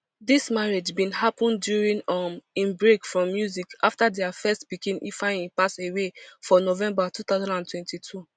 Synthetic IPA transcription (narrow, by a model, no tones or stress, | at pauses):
dismaɹed͡ʒbĩnhapɔ̃ndjuɹĩnʌmĩnbɹekfɹɔ̃mːjuzikaftadɛafɛstbikĩnḭfãɪ̃ĩpasewefɔnovɛ̃mbatut̪aʊzãndãntʰwɛ̃ntitʰu